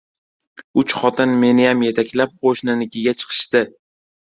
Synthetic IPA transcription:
ʊt͡ʃχɒt̪ʰɪnme̞nɪjamje̞t̪ʰakʲlap̚qʰoʃnɪnɪkʲɪɡʲat͡ʃʰɨ̥qʰɨ̥ʃt̪ɪ

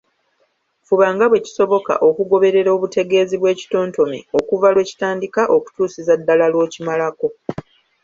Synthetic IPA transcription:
fuβaːŋɡaβwe̞ci̥so̞βo̞ka̰ʔo̞kuɡo̞βe̞ɾe̞ɾo̞ːβute̞ɡe̞ːziβwe̞ːci̥to̞ːnto̞mḭo̞kuvalwe̞ːci̥taːndikaʔo̞ku̥tuːsizadːalalwo̞ːcimalako̞

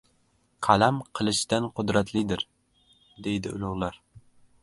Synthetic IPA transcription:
qʰælæmqʰəlˠɨʃt̪ænqʰʊd̪ɾæt̪lid̪ɪɾ | d̪ejd̪ɪʊ̰lˠʊʁlˠɑɾ

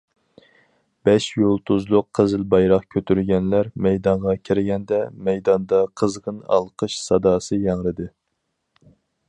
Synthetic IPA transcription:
b̥ɛʃjolˠt̪ʰuzlˠʊqʰːəzɪlbɑjɾɑχkʲʰøt̪ʰyɾɡʲɛnlæɾmɛjd̪ɑɴʁɑkʲʰiɾɪɡʲɛnd̪ɛmɛjd̪ɑnd̪ɑqʰəzʁənɑ̰lˠqʰəʃsɑd̪ɑːsɨjɑŋɾɨd̪ɨ

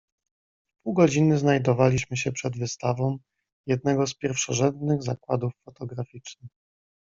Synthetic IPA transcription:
puwɡɔd͡ʑinɘznajd̪ɔvalʲiɕmɘɕɛpʂɛd̪vɘst̪avɔ̃m | jɛd̪̚nɛɡɔspʲjɛɾfʂɔʐɛnd̪nɘɣzakwad̪ufːɔt̪ɔɡɾafʲit͡ʂnɘx

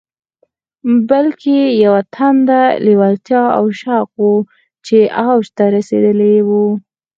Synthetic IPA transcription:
balkʰejawat̪ʰand̪aliwalt̪jɑa̰wʃɑqwu | t͡ʃeawʃt̪aɾasḛd̪əlewu

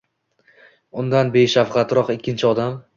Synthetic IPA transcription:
ʊnd̪anbe̞jʃafqʰɑt̪ɾɒqɪkʲːɪnt͡ʃʰɪɒd̪am

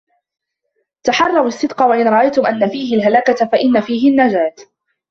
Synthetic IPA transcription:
t̪aħɑrˤːɑɾasːɪd̪qɑwaʔɪnɾˤɑʔajt̪ʊmʔanːafiːɦɪlɦalakat̪faʔɪnːafiːɦɪnːad͡ʒaːt̪

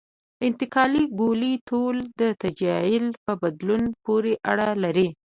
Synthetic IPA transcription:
ɪnt̪ɪkɑliɡolit̪old̪ət̪ad͡ʒɑjɪlpəbad̪lunpoɾeʔaɽalaɾi

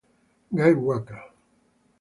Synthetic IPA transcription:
ŋɡajwaka

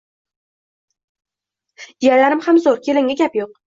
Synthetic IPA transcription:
ijalaɾɪmhamzoɾkʲʰelɪŋʲaɡʲapjoq̚

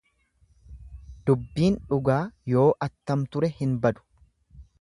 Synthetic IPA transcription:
d̪̥ʊbːiːnᶑʊɡaːjo̞ːʔɐt̪ːɐmt̪ʊɾɛhɪnbɐd̪ʊ̥

